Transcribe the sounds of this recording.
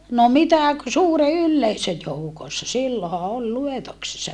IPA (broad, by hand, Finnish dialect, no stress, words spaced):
no mitæ k suːre ylːeisø joukosːɑ silːohɑ ol luetoksesːɑ